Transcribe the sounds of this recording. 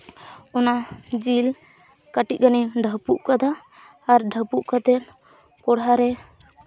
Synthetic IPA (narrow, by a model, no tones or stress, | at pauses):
ɔnad͡ʒil | kaʈit̪̚ɡaniɖʱəpuʔkad̪aː | ɾɖʱəpuʔkad̪ɛn | kɔɽɦaɾɛ